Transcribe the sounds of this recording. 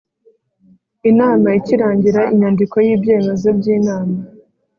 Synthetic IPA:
inaːmaiciɾaːɲɟiɾaiɲandiko̞jiːbje̞ːme̞zo̞b̚ɟiːnaːma

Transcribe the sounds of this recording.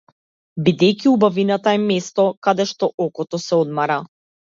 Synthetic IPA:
bid̪ɛjciubavinat̪aɛmɛst̪ɔkad̪ɛʃt̪ɔʔɔkɔt̪ɔsɛɔd̪maɾa

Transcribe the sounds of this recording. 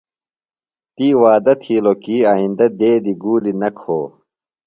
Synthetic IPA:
t̪iːwaːd̪ɐt̪ʰiːlokiːɐĩnd̪ɐd̪eːd̪iɡuːlinɐkʰoː

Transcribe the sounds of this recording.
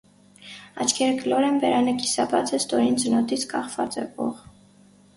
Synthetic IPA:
ɑ̰t͡ʃʰkʰɛɾklɔɾɛnbɛɾɑnəkisɑbɑt͡sɛst̪ɔɾind͡zənɔt̪it͡sʰkɑχvɑt͡sɛvɔ̰ʁ

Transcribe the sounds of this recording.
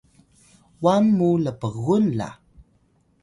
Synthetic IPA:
wamːuləpəɣunɮa̰

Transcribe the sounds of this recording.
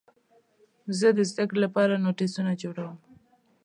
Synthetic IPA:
zəd̪əzd̪əkɽelapɑɾanoʈisunad͡ʒoɽawəm

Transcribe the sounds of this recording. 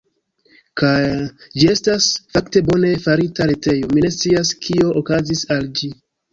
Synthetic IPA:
kajd͡ʒie̞stasfakte̞bo̞ne̞faɾitaɾete̞jo̞mine̞st͡siaskʰio̞ʔokazisald͡ʒi

